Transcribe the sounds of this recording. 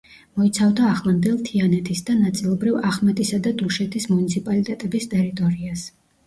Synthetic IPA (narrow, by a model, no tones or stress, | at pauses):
mɔit̪sʰavd̪aːχlˠand̪ɛlˠt̪ʰianɛt̪ʰisd̪anat̪sʼilˠɔbɾivaχmɛt̪ʼisad̪ad̪uʃɛt̪ʰismunit̪sʰipʼalit̪ʼɛt̪ʼɛbist̪ʼɛɾit̪ʼɔɾias